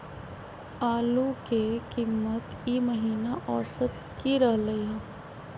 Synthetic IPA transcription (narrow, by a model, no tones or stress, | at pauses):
aːlukekimːət̪ | iməɦiːnaʔɔːsət̪̚ | kiɾəɦləiãː